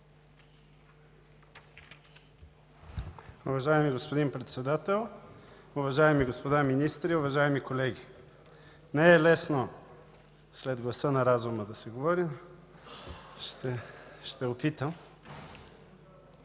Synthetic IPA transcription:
ʊvɐʒaɛmiɡospod̪inpɾɛt̪sɛd̪at̪ɛlˠʊvɐʒaɛmiɡospod̪aminist̪ɾiʊvɐʒaɛmikolɛɡʲi | nɛɛlɛsno | slɛd̪ɡlˠɐsənɐɾazuməd̪ɐsɛɡovɔɾim | ʃt̪ɛʃt̪ɛʊpit̪əm

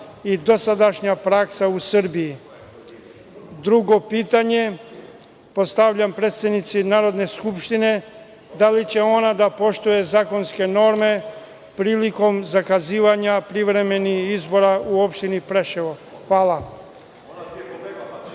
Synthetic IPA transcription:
id̪o̞sad̪aʃɲapɾaksausɨɾ̩biji | d̪ɾuɡo̞piːt̪aɲe̞ | po̞st̪aʋʎampɾeːt̪sad̪nit̪sinaːɾo̞d̪ne̞skupʃt̪ine̞ | d̪alit͡ɕe̞o̞nad̪apo̞ʃt̪uje̞zaːko̞nske̞no̞ɾme̞ | pɾiːliko̞mzakaziːʋaɲapɾiʋɾe̞me̞nixizbo̞ɾauo̞pʃt̪inipɾeʃeʋoxʋaːla

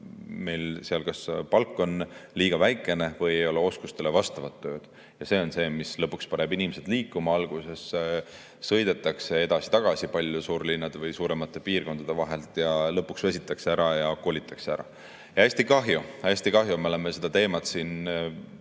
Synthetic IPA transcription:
me̞jlsiɑlkɑspɑlkːˑo̞nliːɡ̥ɑvæjkˑːe̞ne̞vɤjejo̞leo̞skust̪ele̞vɑst̪ɑvɑt̪ːø̞ːd̪̥ | jɑse̞o̞nse̞ːmislɤpːˑukspɑɾebinimese̞d̪̥liːkːˑumɑɑlɡ̥use̞s | sɤjd̪̥e̞t̪ːˑɑkse̞e̞d̪ɑsi̥t̪ɑɡ̥ɑsipɑlʲjusuːɾlinːɑd̪vɯjsuːɾe̞mɑt̪ːˑe̞piːrko̞nd̪ɑd̪̥e̞vɑɦe̞lt̪ˑjɑlɤpːˑuksvesʲit̪ːˑɑkseæɾɑjɑko̞ːlit̪ːˑɑkseæɾɑ̰ | jɑæsʲt̪ikɑɦjuæsʲt̪ikɑɦjumeo̞lemese̞d̪ɑt̪e̞ːmɑt̪siːn

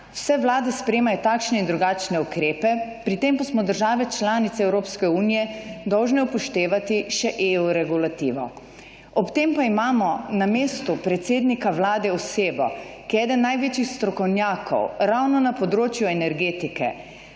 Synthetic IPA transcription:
wsɛʋlaːd̪ɛspɾɛjeːmajɔt̪akʃnɛind̪ɾuɡaːt͡ʃnɛukɾeːpɛpɾit̪eːmpasmɔd̪əɾʒaːʋɛt͡ʃlaːnit̪sɛːwɾoːpskɛuːnijɛd̪ɔwʒnɛupɔʃt̪eːʋat̪iʃɛʔeuɾɛɡulat̪iːʋɔ | ɔpt̪empaimaːmɔnameːst̪upɾɛt̪seːd̪nikaʋlaːd̪ɛɔseːbɔ̰kiɛːd̪ənːajʋeːt͡ʃixst̪ɾɔkɔwnjaːkʰɔ̰wɾawnɔnapɔd̪ɾoːt͡ʃjuɛnɛɾɡeːt̪ikɛ̰

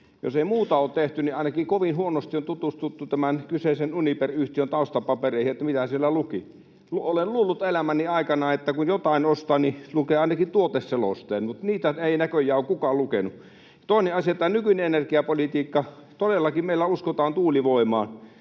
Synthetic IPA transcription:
jo̰seˑimuːt̪ɑoːt̪t̪eht̪yniɑˑinɑkikoʋinhuonost̪iont̪ut̪ust̪ut̪ːut̪æmænkyseˑisenuniperyht̪iønt̪ɑˑust̪ɑpɑpereˑihiet̪ːæmit̪æsielːæluki | luolelluːlːut̪elæmæniɑˑikɑnɑet̪ːækunjot̪ɑˑinost̪ɑnilukeɑˑinɑkit̪uot̪esselo̰st̪eːnmut̪niːt̪æeˑinækøjˑæoːˑkkukɑːllukenu | t̪oˑineɑsiɑet̪ːænykyneenerkiɑpolit̪iːkːɑ | t̪odelːɑkimeˑilːæuskot̪ɑːnt̪uːliʋoˑimɑ̰ːn

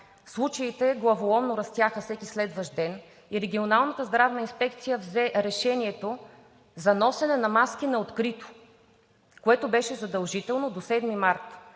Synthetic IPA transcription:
fslˠut͡ʃəit̪ɛɡlˠɐvolˠɔmnoɾɐst̪jaxəfsɛkʲislɛd̪vəʒd̪ɛn | iɾɛɡʲionalˠnət̪əzd̪ɾavnəinspɛk̚t̪sijəvzɛɾɛʃɛniɛt̪o | zɐnɔsɛnɛnɐmaskinɐot̪kɾit̪o̥ | koɛt̪obɛʃɛzɐd̪ɐlˠʒit̪ɛlˠnod̪osɛd̪mimaɾt̪

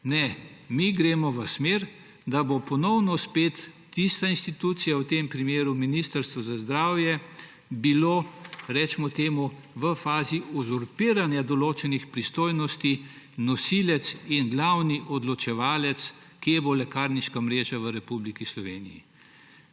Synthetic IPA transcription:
nɛmiɡɾeːmɔʋəsmeɾ | d̪abopɔnɔwnɔspeːt̪ː | ist̪ainst̪it̪uːt̪sijawt̪empɾimeːɾuminist̪əɾst̪ʋɔzazd̪ɾaːwjɛ | biloːɾɛt͡ʃmɔt̪eːmu | ʋəfaːziʔɔzɔɾpiːɾanjad̪ɔloːt͡ʃɛnixpɾist̪oːjnɔst̪i | nɔsilɛt̪sinɡlawniʔɔd̪lɔt͡ʃɛʋaːlɛt̪s | kibolɛkaːɾniʃkamɾeːʒaʋəɾɛpublikislɔʋḛːnḭjḭ

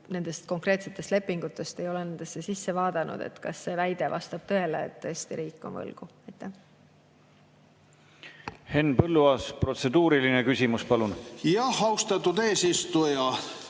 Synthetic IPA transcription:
ne̞nd̪̥e̞st̪̚ko̞ŋkre̞ːt̪se̞t̪ːˑe̞st̪le̞pːiŋɡ̥ut̪ːˑe̞st̪e̞jo̞lene̞nd̪̥e̞sːesisːe̞vɑːd̪̥ɑnʔṵd̪̥e̞̰t̪kɑsːe̞væjd̪̥e̞vɑ̰st̪ɑb̥̚t̪ɤ̞e̞lḛːt̪ːɤ̞est̪iɾiːkˑːonvɤ̰lɡ̥uɑjt̪ːˑæh | he̞nːpɤlːuɑspro̞t̪se̞d̪̥uːɾilinekysʲimuspɑlunjɑhɑust̪ɑt̪ːud̪eːsist̪ujɑ

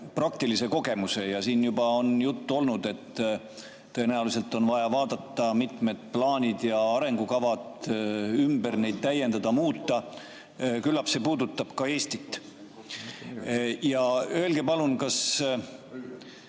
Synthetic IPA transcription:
prɑk̚t̪ilise̞ko̞ɡe̞muse̞jɑsiːnjubɑo̞njut̪ːuo̞lnud̪̥e̞t̪ː | enæulis̬e̞lt̪ˑːo̞nvɑjɑvɑːd̪̥ɑt̪ːɑmit̪me̞d̪̥plɑːnʲid̪̥jɑɑɾe̞ŋɡ̥ukɑvɑt̪ymbəɾne̞jd̪̥̚t̪ːæje̞nd̪̥ɑd̪̥ɑmuːt̪ˑːɑ | kylːɑpse̞ːpuːd̪ut̪ːˑɑb̥kɑe̞ːst̪it̪ːˑ | jɑøe̞lɡe̞pɑlunkɑs

